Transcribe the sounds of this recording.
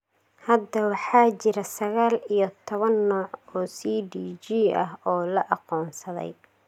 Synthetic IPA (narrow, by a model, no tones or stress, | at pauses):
hɐd̪ːɐwɑħɑːt͡ʃɪɾɐsɐɣaːlijɔt̪ʰɔβɐnːɔːʕɔːsiːɖiːt͡ʃiːʔɐ̰ɦɔːlɐʔɑqɔːnsɐðɛ̰j